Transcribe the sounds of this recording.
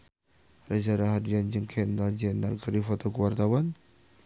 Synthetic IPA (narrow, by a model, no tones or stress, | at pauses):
razaɾaɦadiand͡ʒəŋkʰɛndad͡ʒɛndarkəɾifɔt̪ɔkuwart̪awan